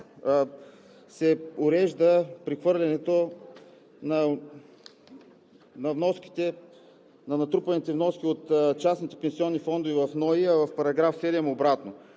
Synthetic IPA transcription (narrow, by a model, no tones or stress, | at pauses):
sɛʊɾɛʒd̪əpɾixvɤɾlʲɛnɛt̪o | nɐ | nɐvnɔski̥t̪ɛ | nɐnɐt̪ɾupɐnit̪ɛvnɔsk̟iot̪t͡ʃasnit̪ɛ̥pɛnsiɔnːifɔnd̪ovivɐfnɔiəvɐfpɐɾɐɡɾafsɛd̪ɛmobɾat̪no